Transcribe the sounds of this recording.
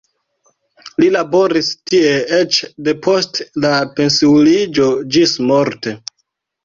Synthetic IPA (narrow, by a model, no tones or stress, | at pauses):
lilabo̞ɾistie̞et͡ʃde̞pʰo̞stlape̞nsiulid͡ʒo̞d͡ʒismo̞ɾte